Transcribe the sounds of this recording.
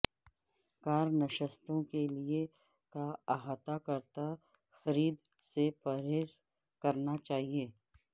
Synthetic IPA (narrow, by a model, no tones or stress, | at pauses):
kaːɾnəʃəst̪õkelie | kaaɦaːt̪akɐɾt̪a | xɐɾiːd̪ | sepɐɾeːs | kɐɾnat͡ʃaːɦieː